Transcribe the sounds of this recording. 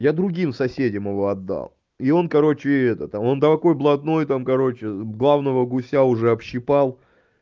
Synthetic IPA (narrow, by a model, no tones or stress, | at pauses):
jad̪ɾʊɡʲimsɐsʲedʲɪmɪvo̞ɐd̪ːa̰lˠ | io̞nkɐɾo̞t͡ɕɪɛt̪ət̪amo̞nd̪ɐvɐko̞jblˠɐd̪no̞jt̪amkɐɾo̞t͡ɕɪɡlˠavnəvəɡʊsʲaʊʐɛɐpɕːɪpalˠ